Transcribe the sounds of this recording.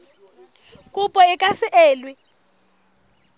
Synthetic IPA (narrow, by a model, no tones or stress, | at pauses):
kʼupʼɔɛkʼasɛʔɛːlwɛ